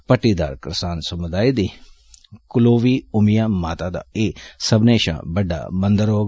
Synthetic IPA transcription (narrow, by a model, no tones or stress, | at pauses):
pəʈːiːd̪aːɾkɾsaːnsəmʊd̪aːiːd̪iː | kʊloːʋiːʊmɪjãːmaːt̪aːd̪a̰ːeːsəbneːʃã̰ːbəɖːa̰ːbənd̪əɾɦoː